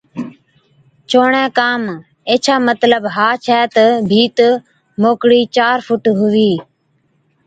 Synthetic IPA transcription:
t͡ʃoːɳɛ̃ːkaːm | eːt͡ʃʰaːmət̪ləbɦaːt͡ʃʰɛːt̪əbʱiːt̪ə | moːkɽiːt͡ʃaːɾfʊʈɦʊʋiː

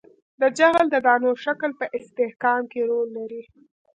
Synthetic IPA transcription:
d̪əd͡ʒaɣld̪əd̪ɑnoɾʃakəlpəʔɪst̪ɪhkɑmkeɾolːaɾi

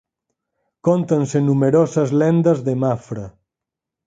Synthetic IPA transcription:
kont̪ɐnsenumeɾozɐzlɛnd̪əzðemafɾɐ

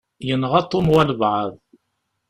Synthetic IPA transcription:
jənʁɑt̪ˤːomwæləbʕəðˤ

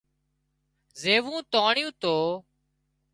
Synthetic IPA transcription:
zeːʋũːt̪oːɳjũːt̪oː

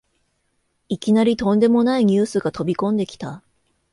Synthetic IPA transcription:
ikʲinaɾʲit̪õ̞nd̪e̞mo̞naiɲ̟ʲɨːsɨɡat̪o̞bʲikõ̞nd̪e̞kʲi̥t̪a

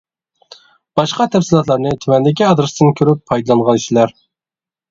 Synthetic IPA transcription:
b̥ɑʃqɑt̪ʰɛfsilˠɑt̪lˠɑɾnɨt̪ʰymɛnd̪ɪkʲiɑd̪ɾɨsd̪ɨɪnkʲʰøɾypʰːɑjd̪lˠɑnʁɑniʃilæɾ

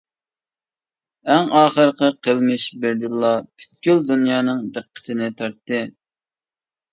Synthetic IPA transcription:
æŋɑːχəɾqəqʰəlˠmɨʃbɪɾd̪ɪlˠːɑpʰy̥t̪̚kʲyld̪unjɑːnɨŋd̪əqʰːə̥t̪ʰɨnɪt̪ʰɑɾt̪ːɨ

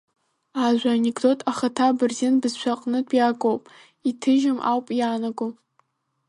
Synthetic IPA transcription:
aʒʷanʲekʼdo̞tʼaχatʰabɨrzɪnbɨzʃʷʰaqʼnɨtʼʰjakʼowpʼ | itʰɨʒɪmʔa̰wpʼjaːnaɡom

